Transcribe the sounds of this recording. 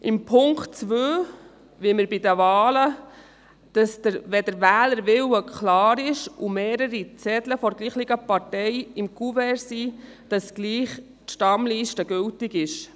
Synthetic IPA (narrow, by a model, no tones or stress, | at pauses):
ʔɪmpʰʊŋktt͡sʋøː | ʋiməɾbidəʋɑːlə | d̥ɑsd̥əɾʋɛdəɾʋæːləɾʋɪləkʰlɑːɾɪʃumeːɾəɾit͡sɛdləfɔɾɡliːχliɡ̥əpɑɾtɛjɪmkuvɛɾsi | d̥ɑsɡ̥liːχ | tʃtɑmliːʃtəɡɵltɪɡɪʃ